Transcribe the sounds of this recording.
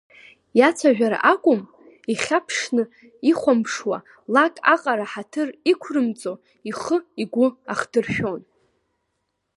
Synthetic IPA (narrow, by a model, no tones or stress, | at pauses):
jat͡sʷʰaʒᶣaɾa̰ʔakʷʼʊm | iχʲapʰʂnɨ | iχʷampʰʂwa̰ | lakʼa̰qʼaɾaħatʰɨrikʷʰrɨmt͡sʼo | iχəiɡʷʊaχdɨrʃᶣo̞n